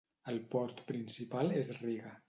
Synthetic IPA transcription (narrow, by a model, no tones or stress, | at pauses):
əlˠpɔɾt̪pɾinsipalˠezriɣə